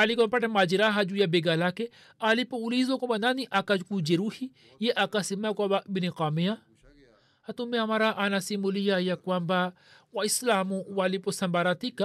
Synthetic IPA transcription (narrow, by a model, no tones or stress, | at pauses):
alikampɐʈemad͡ʒiɾaɦad͡ʒujabeɡalake | alipoulizokobɐnaniʔakad͡ʒkud͡ʒeɾuhi | jeʔakasimakʷababiniqaːmija | at̪umẽamaɾaʔanasimulijajakwamba | waislaːmuwaliposɐmbaɾat̪ika